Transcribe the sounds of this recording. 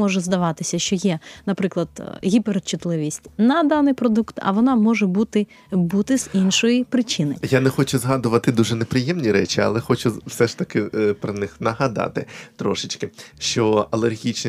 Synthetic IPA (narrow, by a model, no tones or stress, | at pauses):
ɔʒɛzd̪ɐʋɑt̪ɪsʲɐʃt͡ʃɔjɛnɐpɾɪklˠɐd̪̥ɦʲipeɾt͡ʃːʊt̪lˠɪʋʲisʲtʲnɐd̪ɑnɪjpɾɔd̪ukt̪ɐ̰ʋɔnɑmɔʒɛbut̪ɪ | but̪ɪz̥inʃɔjipɾɪt͡ʃɪnɪ̰janɛxɔt͡ʃʊzɦɑd̪ʊʋɐt̪ɪd̪uʒɛnepɾɪjɛmnʲiɾɛt͡ʃiɐ̰lˠɛxɔt͡ʃʊwsɛʃt̪ɐkɪpɾɐnɪxnɐɦɐd̪ɑ̰t̪ɪt̪ɾɔʃɪt͡ʃkɪʃt͡ʃɔɐlˠerɦʲit͡ʃn